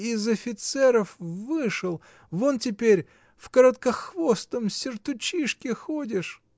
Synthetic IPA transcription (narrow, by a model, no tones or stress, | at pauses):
ɪzɐfʲɪt̪sɛɾəfvɨʂɨlˠ | vontʲɪpʲeɾʲ | fkəɾət̪kəxvost̪əmsʲɪrt̪ʊt͡ɕiʂkʲɪxodʲɪʂ